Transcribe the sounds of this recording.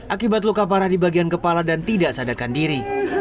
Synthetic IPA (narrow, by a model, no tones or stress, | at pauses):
ʔakibat̪̬lukap̬aɾahdibaɡiankəpaladant̪idaʔsadarkandiɾi